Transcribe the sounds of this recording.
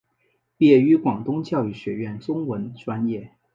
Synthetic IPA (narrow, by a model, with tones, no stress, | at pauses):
pjɛ˥˩y˧˥kwɑ˨˩ŋt̪ʊ˥ŋt͡ɕjɑ˥˧ʊi˥˩ɕɥɛ˧˥ɥɛ˥˩nt͡sʊ˥ŋwə˧˥nʈ͡ʂwa˥njɛ˥˩